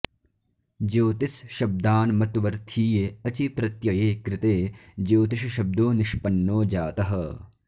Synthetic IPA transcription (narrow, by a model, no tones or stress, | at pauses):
d͡ʒoːt̪isʃɐb̚d̪aːnmɐt̪ʋɐɾt̪ʰiːjeɐt͡ʃipɾɐt̪jɐjeːkɾɪt̪eːd͡ʒoːt̪iʃɐʃɐb̚d̪oːnɪʃpɐnːoːd͡ʒaːt̪ɐɦɐ